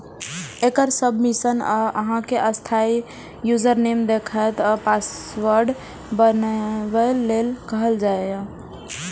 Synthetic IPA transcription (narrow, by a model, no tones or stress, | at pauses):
ekəɾsəbʱmisəna̰ʔə̰ɦãkeʔəst̪ʰai | jud͡ʒəɾnemd̪ekʰajt̪ɔpas | wəɾɖ | bənbəlːelkəɦəld͡ʒaea